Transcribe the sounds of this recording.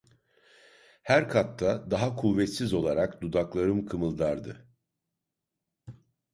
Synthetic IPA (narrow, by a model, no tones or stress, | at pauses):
hæɾkʰat̪ʰːad̪aɦakʰuvːɛt̪sizo̞lˠaɾakd̪ud̪aklˠaɾɯmkʰɯmɯlˠd̪aɾd̪ɯ